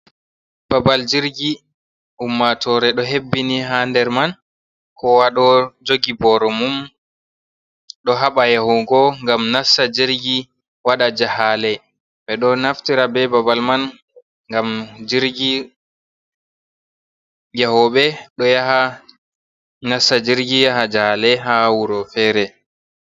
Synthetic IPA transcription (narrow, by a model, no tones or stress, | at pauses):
babald͡ʒiɾɡi | ʔumːatʰɔɾɛɗɔɦebːiniɦandɛɾman | kɔwaɗɔd͡ʒoɡibɔɾɔmum | ɗɔɦaɓajahɔɡɔŋɡamnasad͡ʒiɾɡi | waɗad͡ʒahalɛ | ɓɛɗɔnaftiɾabɛbabalman | ŋɡamd͡ʒiɾɡi | jahɔɓɛɗɔjaɦa | nasad͡ʒiɾɡijaɦad͡ʒahalɛɦawuɾɔfɛːɾɛ